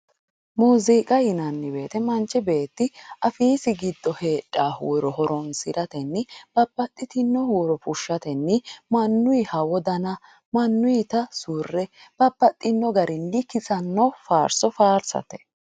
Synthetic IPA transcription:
muːziːkʼɐjɪnɐnːɪbe̞ːt̪ɛmɐnt͡ʃːɪbe̞ːt̪ːɪʔɐfiːsɪɡɪd̪ːɔhe̞ːᶑʼːaːhuːɾɔɦɔɾɔnsɪɾɐt̪ɛnːɪb̥ɐbːɐt̪ʼːɪt̪ɪnːɔhuːɾɔfʊʃːɐt̪ɛnːɪmɐnːʊjɪhɐwɔd̪ɐnɐ | mɐnːʊjɪt̪ɐsuːrːɛb̥ɐbːɐt̪ʼːɪnːɔɡɐɾʔɪnlɪkːɪsɐnːɔfaːɾsɔfaːɾsɐ̰t̪ɛ̥

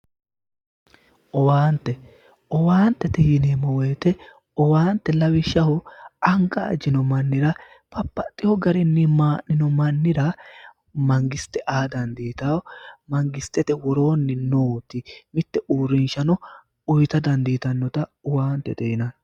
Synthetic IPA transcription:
ʔɔwaːnt̪ːɛ | ʔɔwaːnt̪ːɛt̪ɛjɪnemɔweːt̪ɛ | ɔwaːnt̪ːɛlɐwɪʃːɐhɔɐŋkʼːɐ̰ːd͡ʒɪnɔmɐnːɪɾɐ | pɐpːɐt̪ʼːɪhɔɡɐɾɪnːɪmaːʔɪnɔmɐnːɪɾɐ | mɐŋɡɪst̪ːɛʔaːd̪ɐnd̪iːt̪awɔmɐŋɡɪst̪ːɛt̪ɛwɔɾo̞ːnːɪnoːt̪ːɪmɪt̪ːɛʔuːɾɪnʃɐnɔ | ʊjt̪ɐd̪ɐnd̪iːt̪ɐnːɔt̪ɐɔwaːnt̪ːɛ̰t̪ɛjɪnɐn

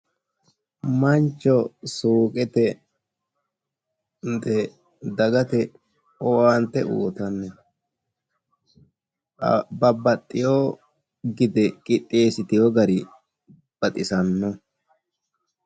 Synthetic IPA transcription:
mɐnt͡ʃːɔsuːkʼɛt̪ɛ | nd̪ɛ | d̪ɐɡɐt̪ɛ | ɔwɐnt̪ːɛʔṵːt̪ɐnːɛ | bɐbɐt̪ʼːɪjoː | ɡɪd̪ɛkʼɪt̪ʼːeːsɪt̪ɪjɔɡɐɾɪ | b̥ɐt̪ʼɪsɐnːɔ

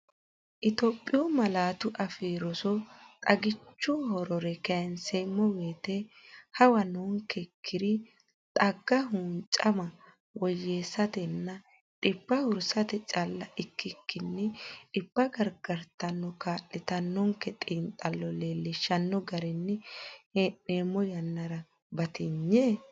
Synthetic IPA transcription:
ʔɪt̪oːpʼːɪjomɐlaːt̪ʊʔɐfiːɾɔsɔt̪ʼɐɡɪt͡ʃːɔhɔɾɔɾɛkɛnsemːɔweːt̪ehɐwɐnoːŋkɛkʰːɪd̪ɪ | t̪ʼɐɡːɐɦuːnt͡ʃʼɐmɐ | wɔjːeːsɐt̪ɛnːɐ | ᶑʼɪpːɐhʊɾsɐt̪ɛt͡ʃʼɐlːɐʔɪkːɪkːɪnːɛᶑɪbːɐɡɐɾɡɐɾt̪ɐnːɔkaːʔɪt̪ɐnːɔŋkɛt̪ʼiːnt̪ʼɐlːɔleːlːɪʃːɐnːɔɡɐɾɛnːɛheneːmːɔjɐnːɐɾɐ | bɐt̪ɪɲːeː

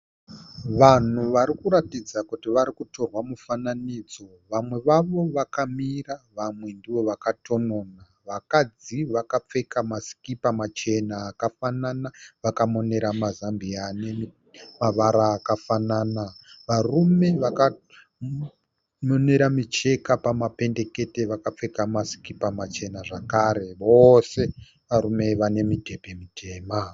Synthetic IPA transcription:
ʋan̤uʋaɾikuɾatid͡zakutiʋaɾikuto̞rwamufananiːd͡zo̞ | ʋamwe̞ʋaʋo̞ʋakamiraʋamwe̞ndiʋo̞ʋakatʰo̞no̞na | ʋakad͡ziʋakap͡fe̞kamasi̥kipamat͡ʃe̞naːkafananaʋakamo̞ne̞ɾamazambiane̞ | maʋaɾaːkafananaʋarume̞ʋaka | mone̞ɾamit͡ʃe̞kapamape̞nde̞ke̞te̞ʋakap͡fe̞kamasi̥kipamat͡ʃe̞naʐakaɾe̞ʋo̞se̞ | ʋaɾume̞ʋane̞mite̞pe̞mitʰe̞ːma

